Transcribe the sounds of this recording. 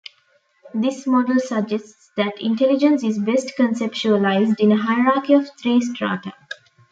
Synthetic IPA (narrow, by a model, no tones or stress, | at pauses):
d̪ismɔɖəlsəɡd͡ʒesʈsd̪æʈʰḭ̃ɳʈelid͡ʒə̃nsizbesʈkə̃nsept͡ʃuəlaɪzɖĩnəɦaɪəɾaːkiɔʋt̪ʰɾiːsʈɾa̰ːʈə̰